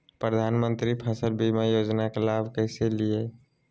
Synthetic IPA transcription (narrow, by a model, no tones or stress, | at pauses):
pɾəd̪ʱaːnmə̃nt̪ɾipʰəsəlbimajoːd͡ʒnakelaːbʱkəɪselie